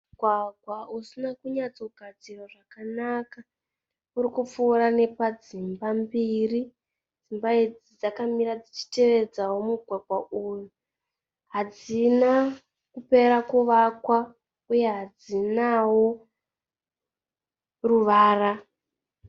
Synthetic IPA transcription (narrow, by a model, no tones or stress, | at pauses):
muɡʱwaɡʱwausinakuɲat͡so̞ɡʱad͡ziroʐakanaka | urikup͡fuːɾane̞pad͡zimbambiri | d͡zimbaid͡zid͡zakamiɾad͡zit͡ʃi̥te̞ʋe̞d͡zawo̞muɡʱwaɡʱwauju | ɦad͡zina | kupe̞ɾakuʋakwa | uje̞ɦad͡zinawo̞ | ruʋaːra